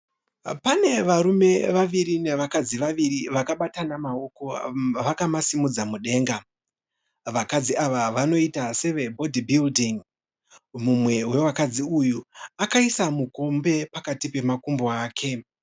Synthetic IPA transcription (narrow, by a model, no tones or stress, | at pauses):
pane̞ʋaɾume̞ʋaʋiɾine̞ʋakad͡ziʋaʋiriʋakaɓatanamao̞ko̞ʋakamasimud͡zamuɗe̞ːŋɡa | ʋakad͡ziaʋaʋano̞itase̞ʋe̞bʱo̞dʱibʱildiŋ | mumwe̞we̞wakad͡ziujuakaisamuko̞mbe̞pakatipe̞makumbo̞aːkʰe̞